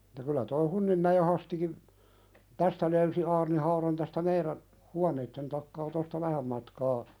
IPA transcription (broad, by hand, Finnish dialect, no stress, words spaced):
etːæ kylæ toi hunːimːæjeˑ hɑstikim tæstæ løysi ɑːrnihɑuɾɑn tæstæ meiɾæn huɑneitːen tɑkːɑː tostɑ ʋæhæm mɑtkɑː